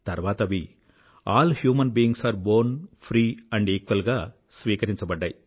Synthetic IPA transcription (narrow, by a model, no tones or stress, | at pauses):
t̪ɐɾʋaːt̪ɐʋi | aːlhjuːmɐnbiːĩŋɡsaːɾboːɾnpʰɾiːɐɳɖeːkʋɐlɡaː | sʋiːkɐɾiɲt͡ʃɐbɐɖːɐj